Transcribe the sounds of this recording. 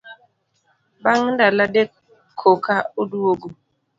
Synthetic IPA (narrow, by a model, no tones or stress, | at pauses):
baŋndaladekʰː | okauduwoɡu